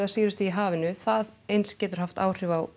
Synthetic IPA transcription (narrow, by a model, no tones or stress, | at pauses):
asiːɾɪst̪iiɦaːvɪnʏθaðejnscɛːt̪ʏɾ̥haft̪a̰ːwr̥ɪvaw